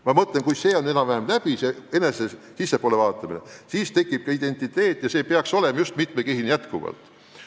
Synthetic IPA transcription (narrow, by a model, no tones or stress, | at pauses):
mɑmɤt̪lenkujse̞ːo̞ne̞nɑvæɦemlæb̥iseenesesisːepoːle̞vɑːt̪ːˑɑminḛsiːst̪e̞kːˑib̥̚kɑid̪̥e̞nʲt̪ːˑit̪e̞ːt̪ːˑjɑse̞ːpeɑkso̞le̞mɑjust̪mit̪mekeɦinjæt̪kuvɑ̰lt̪ˑ